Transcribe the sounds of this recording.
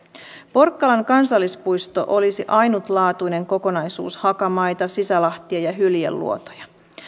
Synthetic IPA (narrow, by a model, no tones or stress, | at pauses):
po̞rkːɑlɑŋkɑnsɑlːispujst̪o̞̰ʔo̞lisiʔɑjnut̪lɑːt̪ujne̞ŋko̞ko̞nɑjsṵːshɑkɑmɑjt̪ɑsisælɑht̪iɑjɑɦyljḛlːṵo̞t̪o̥jɑ